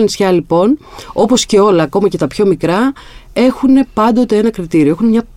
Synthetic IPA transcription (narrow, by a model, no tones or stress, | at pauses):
nisçɐlipo̞no̞po̞sce̞o̞lɐːko̞mɐce̞t̪ɐpço̞mikɾɐ | e̞xune̞pɐnd̪o̞t̪e̞e̞nɐkɾit̪iɾioexunemɲɐ